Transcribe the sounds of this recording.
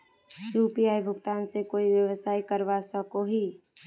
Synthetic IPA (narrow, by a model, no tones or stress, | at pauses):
juːpiaːibʱʊɡt̪aːnsekoːiʋjəwəsaːikəɾʋasəkoɦi